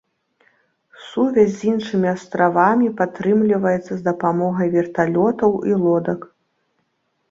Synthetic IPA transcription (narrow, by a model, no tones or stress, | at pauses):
suvʲasʲzʲinʂɨmʲiast̪ɾʔavamʲipat̪ɾɨmlʲivɐjɛt̪sːɐzd̪ɐpamɔɣɐjvʲɛrt̪alʲɔt̪ɐwilˠɔd̪ɐk